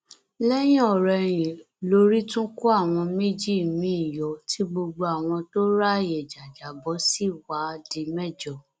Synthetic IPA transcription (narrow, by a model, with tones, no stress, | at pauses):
lɛ˦j̃ĩ˦ɔ˦˨ɾɛ˧˨j̃ĩ˨ | lo˦ɾi˦tũ˦ku˦a˦˨w̃ɔ̃˧me˦d͡ʒi˦˨mĩ˨˦i˦˨jɔ˨tʰi˨˦ɡ͡bo˧ɡ͡bo˧a˨w̃ɔ̃˧to˦ɾa˦˨jɛ˨d͡ʒa˨d͡ʒa˨bɔ˨˦si˦˨wa˨˦˧di˧mɛ˦˨d͡ʒɔ˨